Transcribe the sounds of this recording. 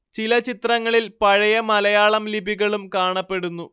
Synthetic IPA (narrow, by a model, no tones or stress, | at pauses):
t͡ɕilɐt͡ɕit̪rɐŋːɐɭilpɐɻɐjɐmɐlɐjaːɭɐmlibʱiɣɐɭumkaːɳɐpːe̞ɽunːu